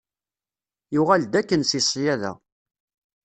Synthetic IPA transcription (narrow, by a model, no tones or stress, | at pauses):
juʁæld̪ækːənsisˤjæðæ̰